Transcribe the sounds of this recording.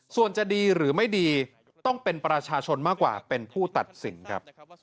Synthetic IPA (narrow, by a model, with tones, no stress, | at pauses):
su˨˩ənt͡ɕa˨˩diː˧ɾɯː˩˦ma˥˩jdiː˧ | t̪ɔ˥˩ŋpe˧npɾa˧t͡ɕʰaː˧t͡ɕʰo˧nmaː˥˩kwa̰ː˨˩pe˧npʰuː˥˩t̪a˨˩t̪̚sḭ˨˩˦nkʰɾa̰˦˥p̚